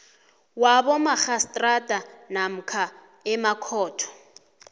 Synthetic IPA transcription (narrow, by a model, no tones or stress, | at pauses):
wabɔmaxastʼratʼanam̩kʰa | ɛmakʰɔːtʰɔ̥